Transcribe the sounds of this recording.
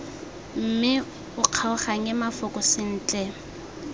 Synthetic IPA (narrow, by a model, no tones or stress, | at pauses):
m̩mɪ | ʊq͡χʰaʊχaŋɛmafʊkʼʊsɪn̩ːt͡ɬʼɛ